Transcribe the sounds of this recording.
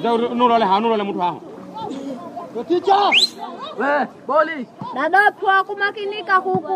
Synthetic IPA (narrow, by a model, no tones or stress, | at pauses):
d͡ʒanũɾɔlɛɦanuɾɔlɛmutʰuaɦa̰ | ɔkit͡ʃawɛ | ɓoliɗaɗatʰuakumakinikakuku